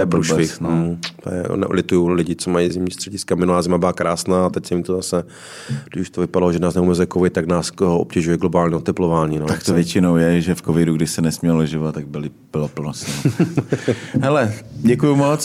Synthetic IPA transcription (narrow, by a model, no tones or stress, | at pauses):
ɛpuːʃvɪxm̩t̪o̰jɛ̰nɛ̰ʔo̰lɛt̪ujulɪɟɪt͡somajizɪmɲiːst̪r̥ɛɟɪskamɪnulaːzɪmabɪlakɾaːsnaːat̪ɛcsɛmɪt̪ozasɛ | ɡdɪʃu̥ʃt̪ovɪpadaloʒɛnaːsnɛumɛzɛkovɪt̪̚t̪ːaɡnaːsooʔopcɛʒujɛɡlobaːlɲɛot̪ɛplovaːɲiːnt̪akt̪ovjɛt͡ʃɪnowjɛʒɛfkovɪduɡdɪʃsɛnɛsmɲɛllɛʒɪvat̪ːaɡ̚bɪlɪ | b̥ɪlopl̩nosɛ | ɦɛlɛɟɛkujumot͡s